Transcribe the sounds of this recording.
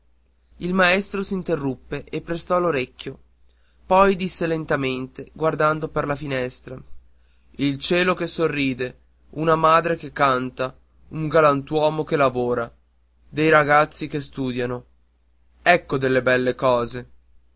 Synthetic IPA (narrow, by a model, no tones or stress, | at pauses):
ilmaɛst̪ɾosint̪erːupːeʔepːɾest̪ɔloɾekʲːjo | pɔjd̪isːelent̪ament̪eɡward̪and̪operlafinɛst̪ɾa | ilt͡ʃɛːlokesorːiːd̪e | unamaːd̪ɾekekːant̪a | uŋɡalant̪wɔːmokelavoːɾa | d̪ejɾaɡat̪sːikest̪uːd̪jano | ɛkːod̪elːebɛlːekɔːze